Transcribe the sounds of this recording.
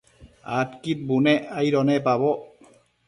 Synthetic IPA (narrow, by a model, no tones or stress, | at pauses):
a̰t̪kit̪̚buneʔajɾɔnepaβɔ